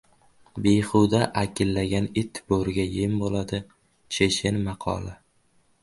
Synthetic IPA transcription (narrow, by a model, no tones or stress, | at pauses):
bejχʊwd̪aʔakʲʰɪlːaɡʲanɪt̪ːb̥oɾɪɡʲajɪmbolad̪ɪ | t͡ʃʰeʃɪnmɑqʰɒ̰lˠɪ